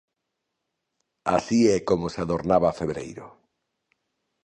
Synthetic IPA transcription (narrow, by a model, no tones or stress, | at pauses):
a̰siɛkomoseaðoɾnaβaːfeβɾḛjɾo̰